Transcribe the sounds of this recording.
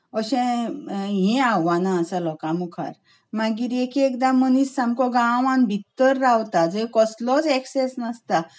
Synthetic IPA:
əɕɛ̃ | ɦĩawʋanaəsəlɔkãmukʰa̰ɾ | maɡiːɾekiekd̪amənisːamkɔɡãʋãnbʱit̪ːəɾːawt̪ad͡zekɔslɔt͡seksesnəst̪a

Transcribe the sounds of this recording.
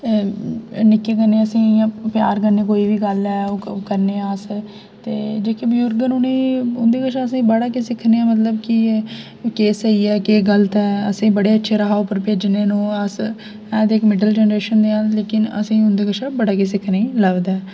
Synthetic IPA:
nɪkːeːkəɾneːəsĩːãpjaːɾkəɾneːkoːiːʋiːɡəlɛːokəɾneːaːs | t̪ḛːd͡ʒeːkeːbjʊːɾɡənuːneːʊnd̪eːkəʃãːəsĩːbəɽaːkeːsɪkʰːneːãːmət̪̬ləbki | keːsəiːɛːkeːɡələt̪ɛːəsĩːbəɽeːətːʃʰeːɾəɦaːoːpəɾpeːd͡ʒneːnũːəs | ɛ̃ːd̪eːkmɪɖəld͡ʒɛːnəɾeːʃənd̪eːaːlleːkɪnə̰sĩːʊnd̪eːkəʃʰaːbəɽaːkes̬ɪkʰneːləʋd̪ɛː

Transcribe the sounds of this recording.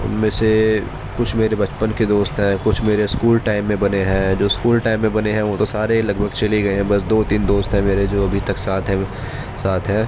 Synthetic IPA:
ʊ̰nmẽse | kʊt͡ʃʰmeːɾebɐt͡ʃpənked̪oːst̪ɦɛ̃ːkʊt͡ʃʰmeːɾeskuːlʈaːɪmːẽbɐneɦɛ̃ːd͡ʒoːskuːlʈaːɪmːẽbɐneɦɛ̃ʋot̪osaːɾelɐɡbʱəɡt͡ʃɐliɡɐeɦɛ̃bɐsd̪oːt̪iːnd̪oːst̪ɦɛ̃meːɾed͡ʒoːɐbʱit̪ɐksaːt̪ʰɦɛ̃ | saːt̪ʰɦɛ̃ː

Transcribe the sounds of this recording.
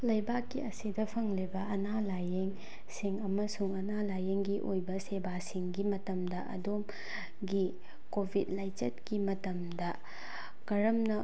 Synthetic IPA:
lɐjbakːiɐsidɐpʰɐŋlibɐʔɐnalajeŋ | siŋɐmɐsuŋɐnalajeŋɡiʔojbɐsebasiŋɡimɐtɐmdɐʔɐ̰dom | ɡi | kobʱid̚lajt͡ʃɐt̚kimɐtɐmdɐ | kɐɾɐmnɐ

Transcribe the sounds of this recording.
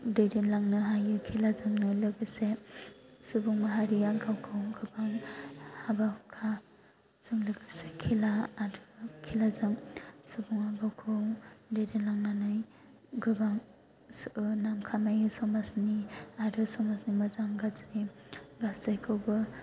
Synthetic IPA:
deɾenlaŋnɯɦajɯkʰilazɯŋnɯlɯɡɯse | subuŋmaɦaɾiaɡawkʰɯwŋɡɯbaŋhabahukʰa | z̥ɯŋlɯɡɯsekʰilaaɾɯkʰilazɯŋsubuŋaɡawkʰɯwdeɾenlaŋnanɯj | ɡɯbaŋ | snamkʰamajɯsɔmasniaɾɯsɔmasnimazaŋɡazɾiɡaszɯjkʰɯwbɯ

